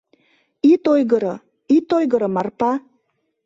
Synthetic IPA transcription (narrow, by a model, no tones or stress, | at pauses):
it̪ojɣəɾɤ | it̪ojɣəɾɤ̆mɑrpɑ